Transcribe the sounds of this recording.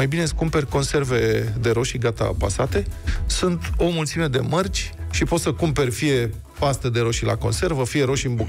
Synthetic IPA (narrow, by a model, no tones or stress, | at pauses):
ajbine̞skumperʲko̞nse̞rve̞d̪e̞ɾo̞ʃiɡat̪a̰pasat̪e̞sunt̪o̞mult̪sime̞d̪e̞̰mərt͡ʃʲʃipo̞t̪səkumpe̞rʲfije̞ | past̪əd̪e̞ɾo̞ʃila̰ko̞̰nse̞rvəfije̞ɾo̞ʃʲɨnbuk